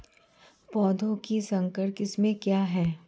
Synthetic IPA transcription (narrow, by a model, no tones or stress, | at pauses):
pɔːd̪ʱõkisɐ̃ŋkəɽkɪsmẽkjaːɦɛː